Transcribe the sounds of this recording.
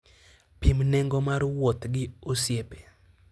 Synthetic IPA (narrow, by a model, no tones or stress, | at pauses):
pimnɛŋɡɔmarwot̪ɡɪosjepe̥